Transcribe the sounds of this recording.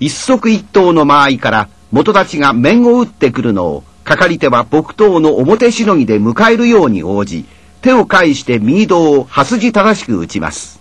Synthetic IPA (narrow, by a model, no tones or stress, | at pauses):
isːo̞kɯ̟it̪ːo̞ːno̞maːikaɾa | mo̞t̪o̞t̪at͡ɕiɡamẽ̞ɰ̃o̞ɯ̟t̪ːe̞kɯ̟ɾɯ̟no̞̰ː | kakaɾʲit̪e̞βab̥o̞kɯ̟̥t̪o̞ːno̞ʔːmo̞t̪e̞ɕino̞ŋ̟id̪e̞mɯ̟kae̞ɾɯ̟jo̞ːɲ̟ḭo̞ːʑḭ | t̪e̞okaiɕi̥t̪e̞mʲiɲid̪o̞ːhasɨʑit̪ad̪aɕi̥kɯ̟ɯ̰t͡ɕima̰sɨ̥